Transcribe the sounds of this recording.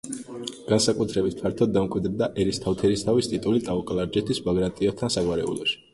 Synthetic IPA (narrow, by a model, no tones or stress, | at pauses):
ɡ̥ansakʼut̪ʰɾɛbit̪̚ʰpʰaɾt̪ʰɔd̪̚ːamkʼwid̪ɾd̪aʔɛɾist̪ʰaft̪ʰɛɾist̪ʰavist̪ʼit̪ʼulit̪ʼaɔkʼlˠaɾd͡ʒɛt̪ʰisbaɡɾant̪ʼiɔt̪ʰansaɡwaɾɛṵlˠɔʃi̥